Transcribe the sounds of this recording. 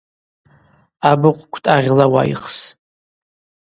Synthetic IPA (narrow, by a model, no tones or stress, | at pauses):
abɨqʷʼkʷʰtʼaʁʲlawa̰ḭχs